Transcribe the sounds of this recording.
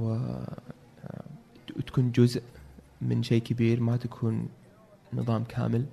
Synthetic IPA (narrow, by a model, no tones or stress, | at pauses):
t̪ḁkuːnd͡ʒʊzʔ | mɪnʃeːkabiːɾmat̪akʰuːnː | ɨ̰ðˤɑːmkʰa̰ːmɪl